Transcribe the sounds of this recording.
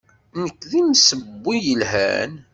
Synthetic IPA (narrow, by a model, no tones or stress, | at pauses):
nəkːðinsəbːijəlɦæ̰n